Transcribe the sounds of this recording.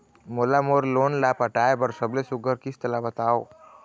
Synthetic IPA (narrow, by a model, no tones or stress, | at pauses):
molamoɾlonlapəʈaebəɾsəblesuɡʱəɾkist̪labət̪ao